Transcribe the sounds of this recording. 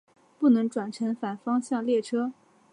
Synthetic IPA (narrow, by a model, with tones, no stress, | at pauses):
pu˥˩nɤ˧˥ŋʈ͡ʂwa˨˩nʈ͡ʂʰɤ˧˥ŋfa˨˩nfɑ˥ŋɕjɑ˥˧ŋljɛ˥˩ʈ͡ʂʰɤ˥